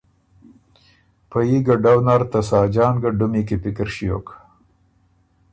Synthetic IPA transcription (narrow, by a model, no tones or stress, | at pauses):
pajiɡaɖawnaɾt̪asɑːd͡ʒɑːnɡaɖʊmikepɪkɪɾʃijo̰k